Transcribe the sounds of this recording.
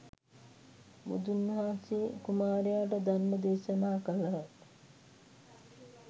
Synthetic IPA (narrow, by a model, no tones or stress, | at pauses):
mṵd̪unːɦaːsikumaːɾejaːʈəd̪anməd̪eːsənaːkələɦət̪